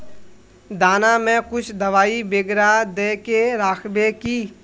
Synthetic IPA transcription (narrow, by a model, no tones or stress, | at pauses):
d̪aːnamẽkʊt͡ʃʰd̪ɐʋaːibeːɡɾad̪eːkeɾaːkʰbekiː